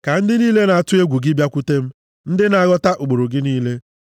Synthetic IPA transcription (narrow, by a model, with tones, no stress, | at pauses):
ka˨n̩˦dɪ˦niː˦le˦na˨a˨tʊ˦e˦ɡʷu˨ɡɪ˦bja˦kʷu˦te˦m̩˦ | n̩˦dɪ˦na˨a˦ɡɔ˦ta˦ʔu˨ɡ͡bo˨ɾo˨ɡɪ˦niː˦le˦